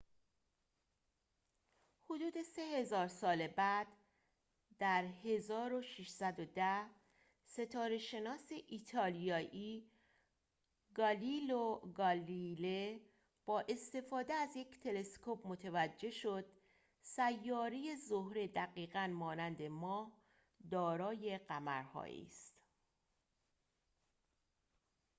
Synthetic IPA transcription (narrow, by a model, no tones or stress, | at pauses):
hod̪uːd̪e̞se̞he̞zɒːɾsɒːlebæd̪̥ | d̪æɾhe̞zɒːɾo̞ʃiʃsæd̪od̪æh | se̞t̪ʰɒːɾe̞ʃe̞nɒːseʔiːt̪ʰɒːlijɒːʔiː | ɡɒliloɡɒlile | b̥ɒːʔe̞st̪e̞fɒːd̪e̞æzje̞cʰt̪ʰe̞le̞skʰopmot̪ʰevæd͡ʒːe̞ʃo̞d̪̥̚ | sæjːɒːɾeje̞zohɾe̞d̪æɣiːɣænmɒːnænd̪e̞mɒːh | d̪ɒːɾɒːje̞ɢæmæ̰ɾhɒ̰ːʔḭːst̪